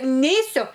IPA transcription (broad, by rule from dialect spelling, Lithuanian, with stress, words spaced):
ˈnʲɛɪsʲʊ